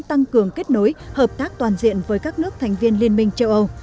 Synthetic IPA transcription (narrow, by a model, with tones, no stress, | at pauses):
t̪a˧ŋkɨ˨˩əŋke˦˥t̚no˨˦jhəː˨˩p̚t̪aː˦˥k̚t̪waː˨˩nzḭ˧˨ənvəː˨˦jkaː˦˥k̚nɨ˦˥ək̚t̪ʰɛ˨˩ŋ̟vi˧ənli˧ənmï˧ŋ̟t͡ɕə˧wʔə˧w